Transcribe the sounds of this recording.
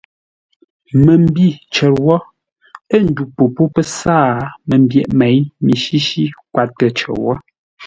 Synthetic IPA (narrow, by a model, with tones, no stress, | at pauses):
mə˨m˦bi˦˨t͡ʃɛ˨ɾwɔ˦ | ə˦˨n̩˨˦du˨po˨po˦pə˦saː˦˨mə˨m˦bjɛ˨ʔmɛ˨˦jmi˨ʃi˦ʃi˦kwa˨tə˨t͡ʃɛ̰˨wɔ˦